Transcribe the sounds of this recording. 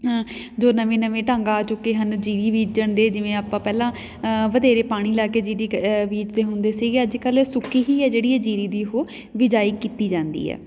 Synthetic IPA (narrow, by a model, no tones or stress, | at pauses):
ɦãː | d͡ʒoːnəʋẽːnəʋẽːʈãːŋɡaːt͡ʃʊkeːɦənd͡ʒiːɾiːʋiːt͡ʃd͡ʒəɳd̪eːd͡ʒɪʋẽːaːpãːpɛːlãː | ʋəd̪eːɾeːpaːɽ̃iːlaːkeːd͡ʒiːɾiːʋiːd͡ʒd̪eːɦʊnd̪eːsiːɡeːəd͡ʒkəlsʊkiːɦiːɛːd͡ʒeːɽiːɛːd͡ʒiːɾiːd̪iːɦoː | ʋɪd͡ʒaːiːkiːt̪iːd͡ʒãːnd̪ḭːɦɛ̰ː